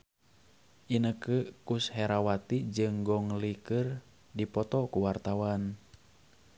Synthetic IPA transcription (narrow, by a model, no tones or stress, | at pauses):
ʔinəkəkushɛɾawat̪id͡ʒɨŋɡɔŋlikɨr | dipɔt̪ɔkuwart̪awan